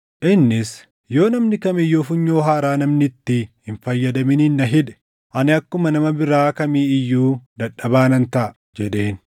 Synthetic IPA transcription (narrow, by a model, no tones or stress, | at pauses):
ʔɪnːɪs | jo̞ːnɐmnɪkɐmɪjːo̞ːfʊɲːo̞ːɦaːɾaːnɐmnɪt̪ːɪhɪnfɐjːɐd̪ɐmɪniːnːɐɦɪd̪ɛ̥ | ʔɐnɪɐkːʊmɐnɐmɐbɪɾaːkɐmiːɪjːuːd̪ɐᶑːɐbaːnɐnt̪ɐʔɐ | d͡ʒɛᶑ̪e̞ːn